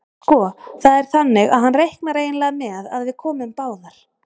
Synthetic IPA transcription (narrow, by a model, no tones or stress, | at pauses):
skɔθaðɛɾ̥θanːɪɣa̰ðɦhanːrejhknaɾeːjnlɛːɣðmɛːðavðɪkʰɔːmɪmpaːwðaɾ̥